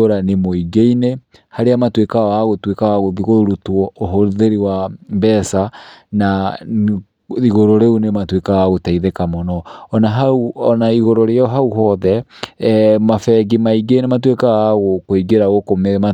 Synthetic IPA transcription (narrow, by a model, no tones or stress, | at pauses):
oɾanemoiɡeine | haɾeamatwekawaɣotwekawaɣoβiɣoɾutwɔoɦoðeɾiwambɛsana | iɣoɾoɾeunematwekawaɣotaiðekamɔnɔːnaɦauɔnaiɣoɾoɾeɔɦauɦɔðɛ | mafɛɣimaiɡeinematwekawaɣokoiɡeɾaɣokomema